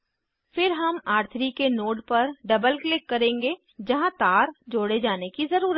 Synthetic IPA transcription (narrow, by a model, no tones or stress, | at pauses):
fɪɾɦɐmaːɾt̪ʰɾikenoːɖpɐɾɖɐbəlklɪkːɐɾẽːŋɡe | d͡ʒɐɦãt̪aːɾd͡ʒoːɽed͡ʒaːnekizɐɾuːɾət̪